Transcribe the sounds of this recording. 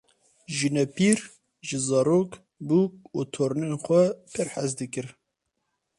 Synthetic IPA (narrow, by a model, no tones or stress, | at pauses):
ʒinɛpiːɾ | ʒɨzɑːɾoːk | buːkut̪ʰoːɾɨnenxʷɛpʰɨɾħazd̪ɨkɨɾ